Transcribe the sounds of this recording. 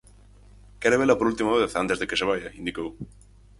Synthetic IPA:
kɛɾeβelapoɾult̪imaβeθant̪ezðekeseβ̞ajaind̪ikow

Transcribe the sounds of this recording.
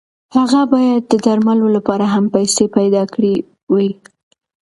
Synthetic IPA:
haɣabɑjad̪̚ːəd̪aɾmalolapɑɾaɦampajsepajd̪ɑkɽi | wi

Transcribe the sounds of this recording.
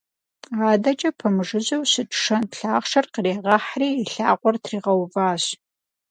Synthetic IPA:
aːdɐt͡ʃʼɐpʰɐmɨʐɨʑɐwsɨtʰʼʂɐnɬaːχʂɐrqəreːʁɐħriːɬaːqʷɔrtʰriːʁɐwvaːɕ

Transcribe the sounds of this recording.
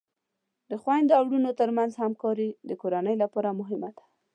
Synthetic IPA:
d̪əxwajnd̪awɽunot̪əɾmanzhamkɑɾid̪əkoɾanəjlapɑɾamʊɦɪmad̪̥ḁ

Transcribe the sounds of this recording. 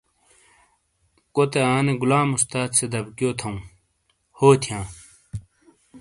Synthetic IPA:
kot̪eaːneɡulaːmust̪aːt̪sed̪ɐbkjoːt̪ʰɐũ | hoːt̪ʰijãː

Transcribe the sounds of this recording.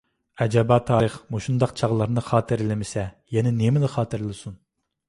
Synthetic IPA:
ɛd͡ʒɛbɑt̪ʰɑːɾəχmuʃund̪ɑqt͡ʃʰɑʁlˠɑɾnɨχɑːt̪ʰɨɾɪlɪmɪsɛjɛnɛnemɪnɨχɑːt̪ʰɨɾɪlˠɨsun

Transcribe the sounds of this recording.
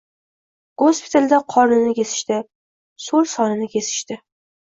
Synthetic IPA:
ɡ̥ospʰɪ̥t̪ʰald̪aqʰɒɾnɪnɪkʲʰe̞sɪ̥ʃt̪ɪ | solˠsɒnɪnɪkʲʰe̞sɪ̥ʃt̪ɪ

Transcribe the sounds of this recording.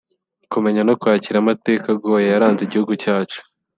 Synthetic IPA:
kume̞ɲano̞kuhaːciɾamate̞ːkaɡo̞ːjejaɾaːnzeɟihuɡucaːt͡ʃu̥

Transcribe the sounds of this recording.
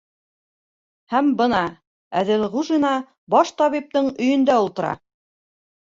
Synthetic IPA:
hæmbɤ̆nɑ | æðɘlʁuʒinɑ | bɑʃt̪ɑβip̚t̪ɤɴɵ̆jɵ̆nd̪æulˠt̪ɤ̆ɾɑ̰

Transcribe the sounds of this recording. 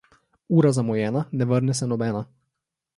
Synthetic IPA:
uːɾazamɔjɛnanɛvəɾnɛsɛnɔbɛna

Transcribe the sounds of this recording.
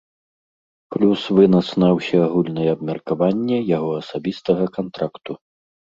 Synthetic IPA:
plʲusvɨnɐt̪snɐwsʲɐaɣulʲnɐjɛɐbmʲɐrkavanʲːɛjaɣɔɐsabʲist̪ɐɣɐkant̪ɾakt̪u

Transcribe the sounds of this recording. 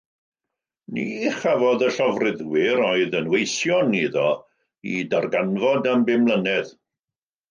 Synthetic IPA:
niχavɔðəɬɔvrɪðwɪɾɔɨðənwejsjɔniðɔ | idarɡanvɔdambɪmlˠənɛð

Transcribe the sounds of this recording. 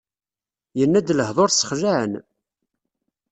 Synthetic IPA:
jənːæd̪ləhðˤoɾsə̥χʒaʕə̰n

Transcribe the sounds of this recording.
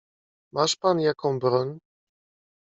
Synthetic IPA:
maʂpanjakɔ̃w̃bɾɔɲʲ

